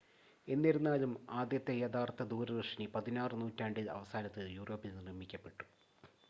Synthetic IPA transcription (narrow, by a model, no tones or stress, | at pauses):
e̞nːiɾunːaːlumaːd̪jɐt̪ːe̞jɐt̪ʰaːrt̪ːɐd̪uːɾɐɣɐʂɐnipɐðinaːrɨnuːtːaːɳɖilɐ̰ʋɐsaːnɐt̪ːɨjuːro̞ːpːilnrimːikʲːɐpːe̞ʈːu̥